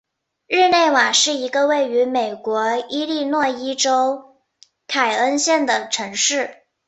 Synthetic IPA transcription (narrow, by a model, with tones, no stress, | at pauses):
ɻ̩˥˧ne˥˩ɪwa˨˩ʂɻ̩˥˩i˧˥ɡə˧we˥˩ɪy˧˥me˨˩ɪkwɔ˧˥i˥li˥˧nwɔ˥˩i˥ʈ͡ʂo˥ʊ | kʰa˨˩ɪə˥nɕjɛ˥˩nd̪ə˩ʈ͡ʂʰɤ˧˥ŋʂɻ̩˥˩